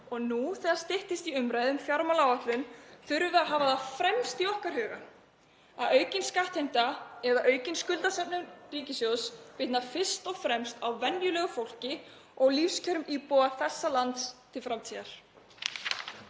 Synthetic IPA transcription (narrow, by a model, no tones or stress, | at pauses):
ɔɣnuθɛðast̪ɪht̪ɪst̪iʏmɾajðʏmfjaɾmalawat̪lʏnθʏɾvʏaɦaːvaðafɾɛmst̪iɔhkaɾ̥hʏːɣa | aðœːɥcɪnskaht̪hejm̥t̪aɛðaʔœːɥcɪnskʏlt̪asɛpnʏmriːcɪsjowspɪt̪nafɪr̥st̪ɔɣfɾɛmst̪awvɛnjʏlɛːɣʏfowl̥cɪ | ɔɣlifscʰœɾmiːpɔwaθɛsːalant̪st̪ʰɪlfɾamt̪ʰiðaɾ̥